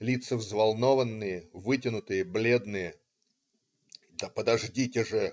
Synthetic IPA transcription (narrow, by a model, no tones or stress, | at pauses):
lʲit̪səvzvɐlˠnovənːɨjəvɨtʲɪnʊt̪ɨjəblʲe̞d̪nɨjə | d̪əpəd̪ɐʐdʲitʲɪʐɨ